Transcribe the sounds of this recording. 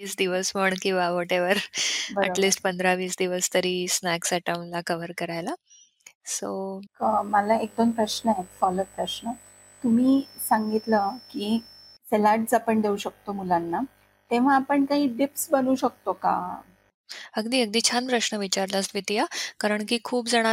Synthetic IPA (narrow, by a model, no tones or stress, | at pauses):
iːsd̪iʋəsməɳkĩʋaʋɔʈeʋəɾbəliːsʈpənd̪ɾaʋiːsd̪iʋəst̪əɾiːsnɛksɛʈəmlakəʋəɾkəɾajla | soəməlaek̚d̪onpɾəɕnəefɔlət̪̚pɾəɕnə | t̪um̤iːsãŋɡit̪ləkiː | selaɖsapəɳd̪ʱeuɕək̚t̪omulanːa | t̪eʋ̤aːpəɳkaɦiːɖipsbənuɕək̚t̪oka̰ | əɡd̪iːəɡ̚d̪iːt͡ɕʰanpɾəɕɳəʋit͡ɕaɾləst̪ʋit̪ijakaɾəɳkiːkʰuːpd͡zəɽ̃a